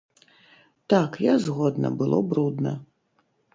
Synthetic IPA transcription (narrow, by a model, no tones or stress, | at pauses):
t̪akjazɣɔd̪nɐ̰bɨlˠɔ̰bɾud̪nɐ